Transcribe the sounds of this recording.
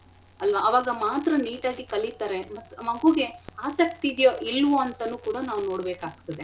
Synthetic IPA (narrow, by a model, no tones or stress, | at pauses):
ɐlʋɐːʋaːɡɐmaːt̪ɾɐniːʈaːɡikɐlit̪aːɾe̞mɐt̪ːmɐɡuɡe̞aːsɐk̚t̪iːd̪joʔilːʋoɐnt̪ɐnuːkuːɽɐnaːʋuno̞ːɽbeːkaːɡ̚t̪ɐd̪e